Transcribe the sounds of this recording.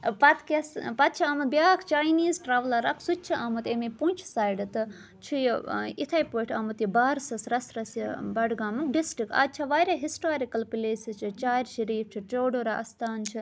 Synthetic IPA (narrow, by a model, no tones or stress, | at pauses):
pɐt̪kʲɐspɐt̪̚t͡ʃʰiaːmɐbjaːkʰt͡ʃaːjniːzʈɾaːʋlɐɾɐkʰsut̚ʲt͡ʃʰiʔamut̪eːmepunt͡ʃʰsaːjɖɨt̪ɨ | t͡ʃʰijit̪ʰaːjpoːʈʰɐːmut̪ibaːɾsɐsɾɐsɾɐsibɐɖɡaːmukɖisʈɾika̰ːt͡ʃʰaʋaːɾʲjaːɦisʈoːɾikɐlpileːsit͡ʃʰit͡ʃaːɾʲʃɐɾiːɾt͡ʃʰiʈoːɖoːɾaʔɐst̪ʰaːnt͡ʃʰi